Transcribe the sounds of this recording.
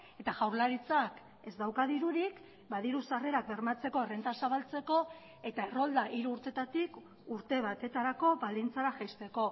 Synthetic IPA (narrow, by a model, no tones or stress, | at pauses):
e̞t̪aʝawɾlaɾit͡sak | e̞zd̪awkaðiɾuɾik | bað̞iɾusare̞ɾak̚be̞ɾmat͡se̞ko̞ere̞nt̪asaβalt͡se̞ko̞ | e̞t̪ae̞ro̞ld̪aʔiɾuːɾt̪e̞t̪at̪ik | uɾt̪e̞β̞at̪e̞t̪aɾako̞bald̪int͡saɾaʝajst̪e̞ko̞